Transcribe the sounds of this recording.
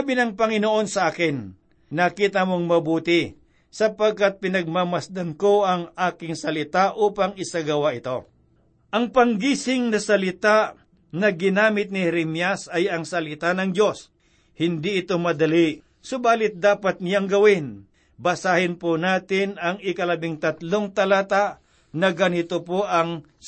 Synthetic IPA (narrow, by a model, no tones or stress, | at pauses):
abɪnɐŋpɐŋɪnoʔo̞nsɐʔaːkɪn | nɐkiːt̪ɐmoŋmɐbuːt̪ɪ | sɐpɐɡ̚kat̪̚pɪnɐɡ̚mamɐsd̪ɐnko̞ʔɐŋaːkɪŋsɐlɪt̪aʔuːpɐŋɪsaɡɐwaʔɪt̪o̞ | ʔɐŋpɐŋɡiːsɪŋnɐsɐlɪt̪a | nɐɡɪnaːmɪt̪̚nɪhɾɛmjasɐjɐŋsɐlɪt̪anɐŋdo̞s | hɪnd̪iʔɪt̪omɐd̪ɐli | sʊbaːlɪt̪̚d̪aːpɐt̪̚nɪjaŋɡɐwɪn | bɐsaːhɪnponaːt̪ɪnɐŋɪkɐlɐbɪŋt̪ɐt̪loŋt̪ɐlat̪aʔ | nɐɡɐnɪt̪opoʔɐŋ